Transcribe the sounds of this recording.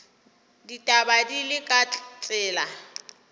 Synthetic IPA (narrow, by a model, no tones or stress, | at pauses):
ditʼabadilɪkʼat͡ɬʼɪːla